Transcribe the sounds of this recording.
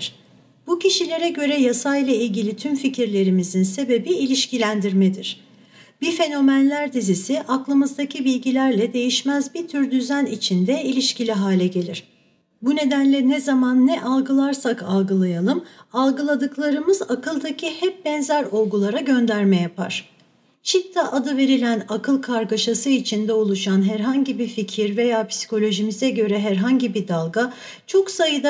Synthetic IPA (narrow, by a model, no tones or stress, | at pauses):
ɾ̥ | b̥ucʰiʃilʲe̞ɾɛɟø̞ɾɛjasajlˠailʲɟilʲit̪ʰymficʰiɾlʲe̞ɾimizinse̞be̞biilʲiʃcilʲænd̪iɾmɛd̪iɾ̝̥ | b̥ife̞no̞mænlʲæɾd̪izisiʔaklˠɯmɯzd̪acʰibilʲɟilʲæɾlʲɛd̪e̞jiʃmæzbit̪ʰyɾd̪yzænit͡ʃʰind̪ɛilʲiʃcilʲiɦaːlʲɛɟe̞lʲiɾ̥ | bune̞d̪ænlʲɛnɛzamanːɛʔalˠɡɯlˠaɾsakalˠɡɯlˠajalˠɯmalˠɡɯlˠad̪ɯklˠaɾɯmɯzakʰɯlˠd̪acʰihɛp̚bɛnzæɾo̞lˠɡulˠaɾaɟø̞nd̪æɾmɛjapʰa̰ɾ̥ | t͡ʃʰit̪ʰːaʔad̪ɯve̞ɾilʲænakʰɯlˠkʰaɾɡaʃasɯit͡ʃʰind̪ɛolˠuʃanɦæɾɦaɲɟibiɾficʰiɾve̞jaːpʰsi̥kʰo̞lʲo̞ʒimizɛɟø̞ɾɛɦæɾɦaɲɟibid̪alˠɡa | t͡ʃʰo̞ksajɯd̪a